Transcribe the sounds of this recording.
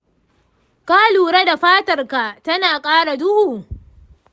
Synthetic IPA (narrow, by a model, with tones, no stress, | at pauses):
ka˦luː˨ɽe˦da˨ɸaː˦tɐ˨rka˨tɐ˦naː˨kʼaː˦ɽa˨dʊ˦huː˨